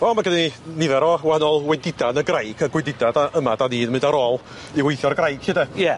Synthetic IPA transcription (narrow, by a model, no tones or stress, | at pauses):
ɔmaɡəninɪðɛɾɔːwanɔlˠwɛdɪdanəɡrajɡʰəɡwɛdɪdadaʔəmadaniːnmɪ̃ndaɾoːlˠ | iwejθjɔrɡrajɡ̥hɪdɛjɛ